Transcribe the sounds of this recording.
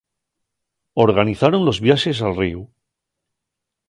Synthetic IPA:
o̞ɾɣaniθaɾõ̞nlo̞zβjaʃe̞s̬alriu

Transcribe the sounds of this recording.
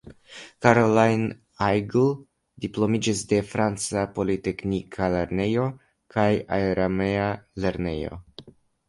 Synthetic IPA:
kaɾolajn | ajɡl | diplo̞mid͡ʒisde̞fɾant͡sapo̞lite̞knikʰale̞ɾne̞jo̞ | kʰajajɾameale̞ɾne̞̰jo̞̰

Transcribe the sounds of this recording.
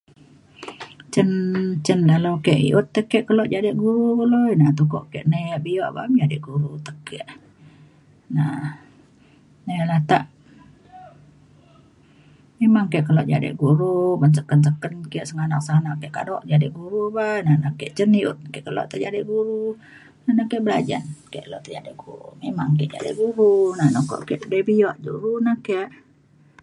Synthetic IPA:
t͡ʃənt͡ʃəndaləwkɛʔḭʔut̪ːəkɛʔkəlɔʔ̪̚d͡ʒadɪʔɡuɾubloinat̪ukɔ̰ʔkeʔneʔbiɔʔba̰md͡ʒadɪʔɡuɾut̪əkːɛʔ | na | nelaht̪aʔ | memaŋkɛʔkəlɔʔ̪̚d͡ʒa̰dɪ̰ʔɡuɾubans̬əkəns̬əkənkəʔsəŋanaʔsanaʔkɛʔkadɔʔd͡ʒadɪʔɡuɾubanahnakɛʔt͡ʃəniut̪̚kɛʔkəlɔ̰ʔt̪əd͡ʒadiʔɡuɾu | nahnakɛʔbəla̰d͡ʒa̰nkɛ̰ʔkəloʔt̪əd͡ʒadiʔɡ̥uɾṵmemaŋkɛʔd͡ʒa̰dḭʔɡuɾunanokɔ̰ʔkɛʔdəbijɔʔd͡ʒṵɾunahkeʔ

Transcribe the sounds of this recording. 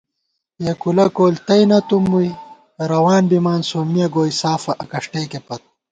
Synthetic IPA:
jekulɐkoːlt̪ɐjnɐt̪umːuj | ɾɐwaːnbimaːnsoːmijɐɡoːjsaːfɐʔɐkɐʂʈeːkepɐt̪̚

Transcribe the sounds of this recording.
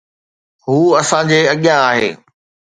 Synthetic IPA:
ɦuːɐsãd͡ʑeːɐɠijãaːɦḛː

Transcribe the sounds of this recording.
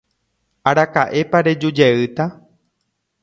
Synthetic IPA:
aɾakaʔe̞paɾe̞d͡ʒud͡ʒeɨt̪a

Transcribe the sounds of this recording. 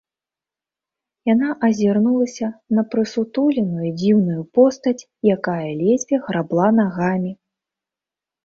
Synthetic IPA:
jan̪aʔɐzʲirnulˠɐsʲɐnɐpɾɨsut̪ulʲinujud͡zʲiwnujupɔst̪ɐt͡sʲ | jakajɐlʲɛzʲvʲjɛɣɾablˠanaɣamʲi

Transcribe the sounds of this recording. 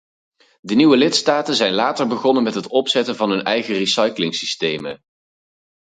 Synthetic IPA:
dəniʋəlɪtstaːtənzɛjnlaːtəɹbəχɔnənmɛtɦətɔpsɛtənvɑnɦɵnɛjχərisɑjklɪŋsistejmə̰

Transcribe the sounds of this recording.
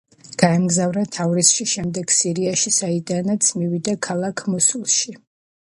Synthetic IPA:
ɡ̥aɛmɡzavɾat̪ʰavɾisʃiʃɛmd̪ɛɡ̥siɾiaʃisaid̪anat̪sʰmivid̪akʰalˠakʰmɔsulˠʃi

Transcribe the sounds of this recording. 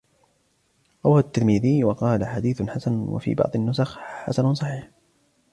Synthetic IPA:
ʔɑwat̪ːɪlmiðɪjwɑqɑːlaħad̪iːθnħasanwa̰fḭːbɑ̰ʕd̪ˤɪnːʊsaxħa̰sannsˤɑħiːħ

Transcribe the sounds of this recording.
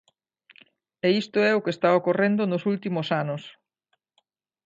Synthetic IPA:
eist̪ʊɛʊkest̪aokorend̪ʊnʊsult̪imʊsanʊs

